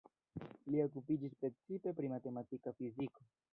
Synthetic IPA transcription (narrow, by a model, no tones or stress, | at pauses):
lio̞k̬upid͡ʒispɾe̞t͡sipe̞pɾimate̞matikafiziko̞